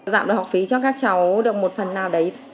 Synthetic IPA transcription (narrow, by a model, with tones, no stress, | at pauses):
za̰ː˧˨mɗɨ˨˩hk̚fi˨˦t͡ɕɔ˧kaː˦˥k̚t͡ɕa˨˦wɗɨ˨˩ək̚mo˨˩t̚fə˨˩nːaː˨˩wɗə˨˦j